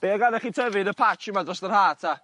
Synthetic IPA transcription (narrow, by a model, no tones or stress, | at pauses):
b̥eːaɡanɛχiːtʰəvɨnəpʰat͡ʃɪmadrɔsðərhaːtʰa